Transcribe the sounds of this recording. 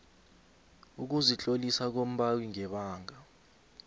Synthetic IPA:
uk̬uzit͡ɬʼolisak̬om̩ɓawiŋɛɓaːŋa

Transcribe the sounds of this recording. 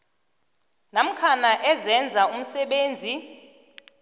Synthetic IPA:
nam̩kʰanaʔɛzɛnd͡zʱaum̩sɛɓeːnd͡zʱi

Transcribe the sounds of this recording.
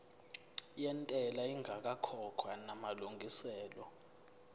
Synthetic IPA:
jɛntʼɛlaiŋʱak̬ʼakʰɔkʰwanamaluŋɡʱisɛːlɔ

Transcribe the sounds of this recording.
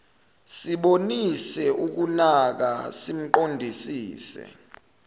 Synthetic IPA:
siɓonisɛuk̬unak̬a̰sim̩ǃondʱisiːsɛ̰

